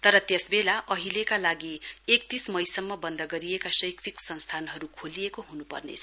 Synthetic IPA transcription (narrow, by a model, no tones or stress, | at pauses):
t̪ʌɾʌt̪jesbelaʔʌɦilekalaɡiek̚t̪ismʌjsʌmːʌbʌnd̪ʌɡʌɾijekasʌjkt͡siksʌnst̪ʰanɦʌɾukʰolijekoɦunupʌ̰rnḛt͡sʰʌ